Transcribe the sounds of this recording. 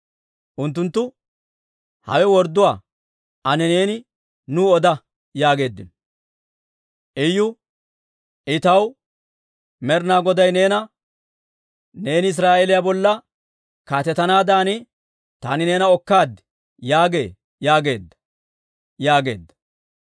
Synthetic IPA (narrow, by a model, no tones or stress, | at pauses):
ʔʊnt̪ːʊnt̪ːʊ | hɐ̰wɛwɔɾd̪ʊwaː | ʔɐnɛne̞ːnɪ | nʊːɔd̪ɐ | jaːɡe̞ːd̪ːɪ̰n | ʔɛjːʊ | ʔɪt̪ɐw | mɛɾnaːɡɔd̪ɐjne̞ːnɐ | neːnɪɪs̬ɾaːʔelɪjabɔlːɐ | kaːt̪ɛt̪ːɐnaːd̪aːnɪ | t̪a̰ːnɪne̞ːnɐɔkːaːd̪ | jaːɡḛː | jaːɡe̞ːd̪ːɐ̥ | jaːɡe̞̰ːd̪ːɐ̥